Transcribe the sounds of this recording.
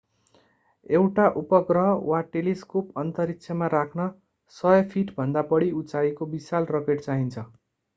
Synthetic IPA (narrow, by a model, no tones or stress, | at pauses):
ewʈaʔupʌɡrʌɦʌwaʈeliskupʌnt̪ʌɾikt͡sʰjʌmaɾakʰnʌ | sʌjʌpʰiʈbʱʌnd̪abʌɽiut͡saikobisalrʌkeʈt͡saɦint͡sʰʌ